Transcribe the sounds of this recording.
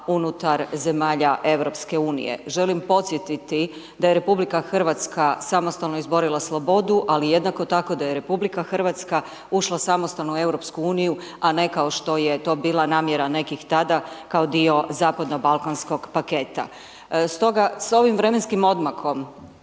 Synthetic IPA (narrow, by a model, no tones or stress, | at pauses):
unut̪aɾze̞maːʎaʔe̞wɾo̞pske̞uːnḭjḛʒe̞limpo̞t̪sjet̪it̪i | d̪ajeɾe̞publikaxr̩ʋat̪skasamo̞st̪alnoizbo̞ɾilˠaslˠo̞bo̞d̪uʔalije̞d̪nako̞t̪ako̞d̪ajeɾe̞publikaxrʋat̪ska | uʃlˠasamost̪alnuue̞wɾo̞pskuuːniju | ane̞kao̞ʃt̪o̞je̞t̪o̞ːbiːlˠanaːmjeɾane̞kixt̪ad̪akao̞d̪io̞zaːpad̪no̞balˠkansko̞ɡ̥pake̞t̪a̰ | st̪o̞ɡaso̞ʋimʋɾe̞me̞nskimo̞d̪maxo̞m